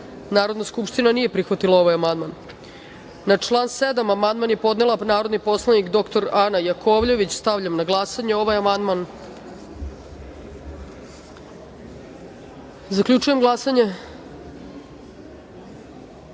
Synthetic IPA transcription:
naːɾo̞d̪naskupʂt̪inanije̞pɾixʋat̪ilˠao̞ʋajamand̪manː | at͡ʃlˠaːnsed̪amamand̪manje̞po̞d̪ne̞lanaːɾo̞d̪nipo̞slˠanikd̪o̞kt̪o̞ɾanajakʰo̞ʋʎe̞ʋit͡ɕst̪aʋʎamnaɡlˠasaɲeo̞ʋajamand̪man | zakʎʲut͡ʃuje̞mɡlˠasaɲe

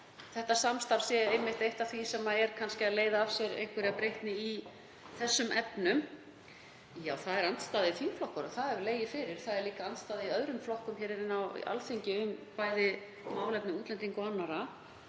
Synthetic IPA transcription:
θɛht̪asamst̪aɾsjɛejmːɪht̪ejht̪atθvisɛmaðɛɾ̥kʰanscɪaðleːjðaavsjɛɾḛjŋkʰvʏɾɪapɾejht̪nɪi | θɛsːʏmʔɛpnʏm | jaːwθaðɛɾant̪st̪aːðɪiθʰiːmflɔhkɔɾaθaðɛɾvleːjɪfɪːɾɪɾ̥θaðɛɾliːkaant̪st̪aːðɪiœðɾʏmflɔhkʏmçɛːɾɛɾɪnːaw̰ʔa̰lθeɲcɪʏmpaːjðɪ | maːwlɛpnɪuːt̪lɛnt̪iŋkɔanːaɾa

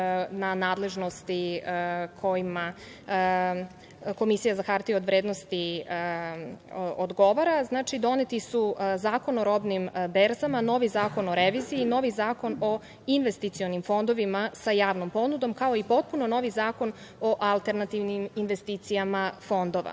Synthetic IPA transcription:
nanaːd̪le̞ʒno̞st̪i | kʰo̞jima | ko̞misijazaxaɾt̪iod̪ʋɾeːd̪nost̪i | od̪ɡo̞ʋaɾaznaːt͡ʃid̪o̞net̪isuzaːko̞noɾo̞bnimbeɾzamano̞ʋizaːko̞noɾeʋiziːno̞ʋizaːko̞no̞ | inʋest̪it̪sio̞nimfo̞nd̪oʋimasajaːʋnompo̞nud̪o̞mkao̞ipo̞t̪̚puno̞no̞ʋizaːko̞n | o̞ʔalˠt̪e̞ɾnat̪iʋniminʋest̪iːt̪sijamafo̞nd̪o̞ʋa̰

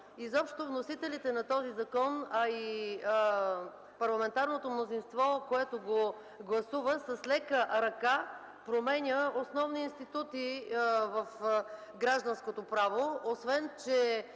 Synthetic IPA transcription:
izɔpʃt̪ovnosit̪ɛlit̪ɛnɐt̪ɔzizɐkɔnɐi | pɐɾlˠɐmɛnt̪aɾnot̪omnozinst̪vɔkoɛt̪oɡo | ɡlˠɐsuvəsɐslɛkəɾɐka | pɾomɛnʲəosnɔvniːnst̪it̪ut̪ivɐf | ɡɾaʒd̪ɐnskot̪opɾavoosvɛnt͡ʃɛ

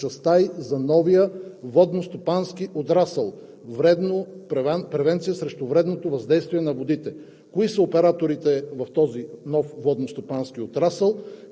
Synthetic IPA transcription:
ɐst̪ajzɐnɔvijəvɔd̪nost̪opanskiʔot̪ɾasəlˠ | vɾɛd̪nopɛvɛnpɾɛvɛnt̪sijəsɾɛʃt̪ʊvɾɛd̪not̪ovɐzd̪ɛjst̪viɛnɐvod̪it̪ɛ | koisəopɛɾat̪oɾit̪ɛvɐft̪ɔzinɔfvɔd̪nost̪opansk̟iot̪ɾasəlˠ

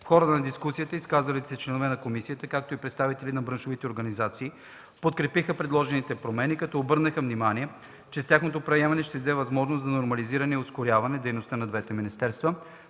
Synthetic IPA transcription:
fxɔɾət̪nɐd̪iskusiət̪əiskazɐlit̪sɛt͡ʃlɛnovɛnɐkomisiət̪əkak̚t̪oipɾɛt̪st̪avit̪ɛlinɐbɾɤnʃovit̪ɛoɾɡɐnizat̪siː | pot̪̚kɾɛpixəpɾɛd̪lˠɔʒɛnit̪ɛpɾomɛnikɐt̪ɔobɤɾnəxəvnimaniɛ | t͡ʃɛst̪ʲjaxnot̪opɾɐjɛmɐnɛʃt̪ɛzd̪ɛvɐzmɔʒnosɐnoɾmɐliziɾɐnɛioskoɾʲjavɐnɛd̪ɛjnost̪ənɐd̪vɛt̪ɛminist̪ɛɾst̪və

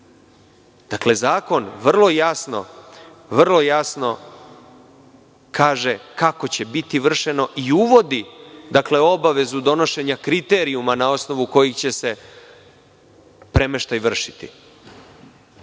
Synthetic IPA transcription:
d̪̥akle̞zaːko̞nʋr̩lˠo̞jasno̞̰ | ʋr̩lˠo̞jasno̞ | kʰaːʒe̞kako̞t͡ɕe̞bit̪iʋr̩ʃe̞no̞ʔiuʋo̞d̪id̪akle̞o̞baʋe̞zud̪o̞no̞ʃe̞ɲakɾit̪e̞ːɾiumanao̞sno̞ʋuko̞jixt͡ɕe̞se̞ | pɾe̞meʃt̪ajʋr̩ʃi̥t̪ḭ

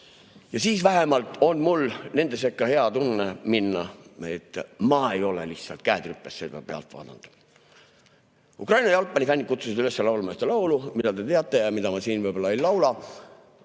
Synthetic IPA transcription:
jɑsiːsvæɦemɑlt̪ˑo̞nmulne̞nd̪e̞s̬ekːˑɑhe̞ɑt̪unːeminːɑ̰e̞t̪ːˑmɑe̞jo̞lḛlihtsɑ̰lt̪̚kæːd̪ɾypːesːed̪ɑpe̞ɑ̰lt̪vɑ̰ːd̪̥ɑ̰nd̪̥ | ukrɑjnɑjɑlpːˑɑnʲifænʲːikut̪susid̪ylesːelɑwlmɑst̪elɑwlumid̪̥ɑt̪e̞t̪e̞ɑt̪ˑːe̞jɑmid̪̥ɑmɑsiːnvɤjbolːɑejlɑwlɑ

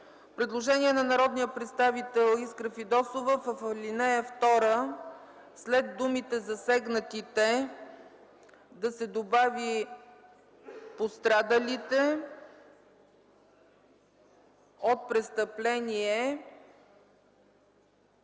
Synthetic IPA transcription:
pɾɛd̪lˠoʒɛnʲiɛnɐnɐɾɔd̪nijəpɾɛt̪st̪avit̪ɛlˠiskɾəfid̪ɔsovəfəflinɛəft̪ɔɾə | slɛd̪ːumit̪ɛzɐsɛɡnət̪it̪ɛ | d̪ɐsɛd̪obavi | post̪ɾad̪əlit̪ɛ | ot̪̚pɾɛt̪st̪əplɛniɛ

